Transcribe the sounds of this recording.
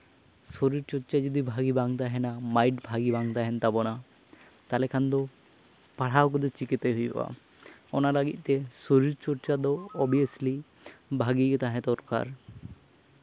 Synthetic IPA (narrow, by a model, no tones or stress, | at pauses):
soɾiɾt͡ʃɔɾt͡ʃad͡ʒɔd̪ibʱaɡibaŋt̪aɦɛnamajʈbʱaɡibaŋt̪aɦɛnt̪abɔna | t̪alɛkʰand̪ɔ | paɽawk̬ɔd̪ɔt͡ʃikit̪ajɦujbɛ̰a̰ | ɔnalaɡit̪̚ˀt̪ɛsoɾiɾt͡ʃɔɾt͡ʃad̪ɔːbiəsli | bʱaɡikɛt̪aɦɛ̃t̪ɔɾka̰ɾ